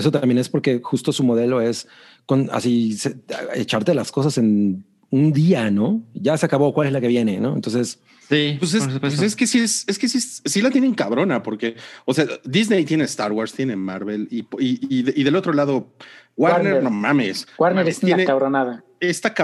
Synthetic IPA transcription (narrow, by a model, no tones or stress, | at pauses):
eso̞t̪ambje̞ne̞spo̞ɾke̞xust̪o̞sumo̞ðe̞lo̞e̞s | ko̞na̰siseet͡ʃaɾt̪e̞lasko̞s̬ase̞n | und̪iano̞ʝaseakaβo̞kwale̞zlake̞βje̞ne̞no̞ḛnt̪o̞nses | sipes̬eeskesieseskesiessilat̪jeneŋkaβɾo̞napo̞ɾkeosead̪iznejt̪jenest̪aɾwaɾst̪je̞ne̞maɾβelipiðiðe̞lo̞t̪ɾo̞laðo̞waɾneɾnomãmeswaɾneɾesjenekaβɾonaða | est̪aka